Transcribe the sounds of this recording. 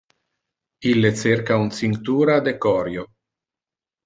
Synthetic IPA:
ilːet͡seɾkaunt͡siŋt̪uːɾad̪ekɔɾjo

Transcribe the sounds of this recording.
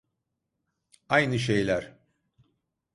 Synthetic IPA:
ajnɯʃ̬ejlʲæɾ̥

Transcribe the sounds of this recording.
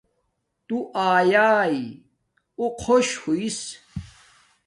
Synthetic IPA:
t̪uʔaːjaːi | oqʰoɕhuis

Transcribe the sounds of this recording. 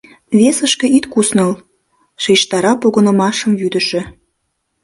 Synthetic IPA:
βesəʃkĕit̪kusnɤl | ʃejʃt̪ɑɾɑpoɣə̆nə̆mɑʃə̆mvyd̪ə̆ʃĕ

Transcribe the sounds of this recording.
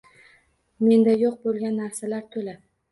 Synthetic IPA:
me̞nd̪ajoq̚bolˠɡʲanːaɾsalaɾt̪ʰɵlad̪ɪ

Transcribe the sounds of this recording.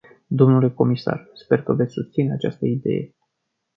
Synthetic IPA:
d̪o̞mnule̞ko̞misa̰rspe̞rkəve̞t̪sʲsust̪sineat͡ʃast̪əid̪e̞̰je̞̰

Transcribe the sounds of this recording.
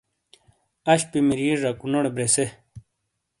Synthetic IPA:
ɐɕpimiɾiɾakunoɽebɾese

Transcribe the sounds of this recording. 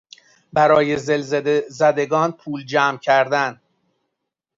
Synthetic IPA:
bæɾɒːje̞zelzzæd̪e̞ɡɒːnpʰuːld͡ʒæːmcʰæɾd̪æn

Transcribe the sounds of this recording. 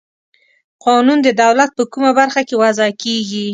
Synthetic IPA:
qɑnund̪əd̪awlat̪̚pəkumabaɾxakewazɑkeɡi

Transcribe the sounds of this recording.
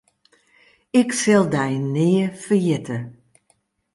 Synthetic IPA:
ɪksɛlˠdɛjnɪːəfərjɪtʰə

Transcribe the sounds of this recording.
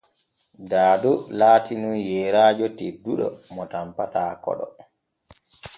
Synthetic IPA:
daːdɔlaːtinunjɛːɾaːd͡ʒɔteduɗɔ̰mɔtampataːkɔ̰ɗɔ

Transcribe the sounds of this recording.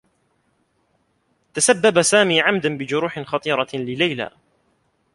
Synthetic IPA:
t̪asabːabasaːmiːʕamd̪anbɪd͡ʒʊɾuːħɪnxɑt̪ˤiːɾˤɑlɪlajla̰ː

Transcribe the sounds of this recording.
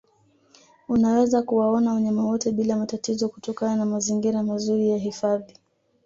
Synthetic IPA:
unawɛzakuwaɔnawɔɲamawɔtɛɓilamatatizɔkutɔkananamaziŋɡiɾamazuɾijaɦifaði

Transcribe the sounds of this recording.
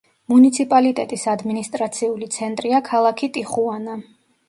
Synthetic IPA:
munit̪sʰipʼalit̪ʼɛ̰t̪ʼisad̪minist̪ʼɾat̪sʰiulit̪sʰɛnt̪ʼɾiakʰalˠakʰit̪ʼiχuana

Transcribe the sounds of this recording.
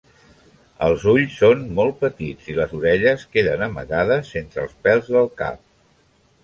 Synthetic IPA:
ə̰lˠzuʎsːonmɔlˠt̪̚pət̪id͡ziləzuɾɛʎəskeðənəmə̰ɣaðəsːent̪ɾə̰lˠspɛlˠzðəlˠka̰p̚

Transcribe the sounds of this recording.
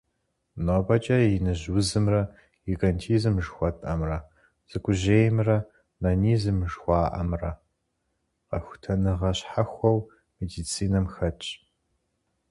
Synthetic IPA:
noːbɐt͡ʃʼɐjɪnɨʑwʊzɨmrɐ | ɡiɡɐntʰiːzɨmʒxʷɔtʼɐmrɐ | z̥ɨkʷʰʼʊʑeːjmrɐ | nɐniːzɨmʒxʷɑːʔɐ̰mrɐ | qɐ̰xʷʊ̥tʰɐnɨʁɐɕħaxʷɔw | medit͡sʰiːnɐmxɐt͡ʃʼ

